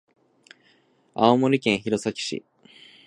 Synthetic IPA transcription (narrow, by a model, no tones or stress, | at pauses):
aomoɾʲikẽɰ̃çiɾo̞sakʲi̥ɕḭ